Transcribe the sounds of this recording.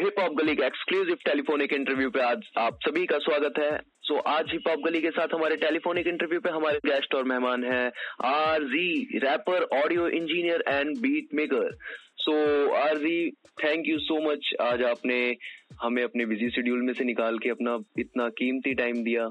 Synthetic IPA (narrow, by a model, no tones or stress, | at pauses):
ɦɪpːɔːp̚ɡɐlikekskluːzɪʋʈeːlɪfoːnɪkɪ̃ɳʈəɾʋjuːpɐɾaːd͡ʒaːpsɐbʱikaswaːɡət̪ɦɛː | soːʔaːd͡ʒɦɪpːɔːp̚ɡəlikesaːt̪ʰɦɐmaːɾeʈeːlɪfoːnɪkɪ̃ɳʈəɾʋjuːpeɦɐmaːɾeɡɛːsʈɔːɾmɛɦmaːnɦɛːaːɾziːɾɛːpəɾɔːɖijoʔɪ̃nd͡ʒiːnijəɾɛ̃ːɳɖbiːʈ̚meːkəɾsoːaːɾziːt̪ʰɛ̃ːŋkjusoːmɐt͡ʃaːd͡ʒaːpnehɐmẽɐpnebɪzisɪɖjuːlmẽsenɪkaːlkeɐpnaɪt̪nakiːmt̪iʈaːɪmd̪ijaː